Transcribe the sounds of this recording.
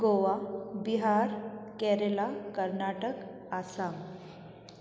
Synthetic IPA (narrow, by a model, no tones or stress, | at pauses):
ɡoʋabiɦaɾkɛɾelakəɾnaʈək | asam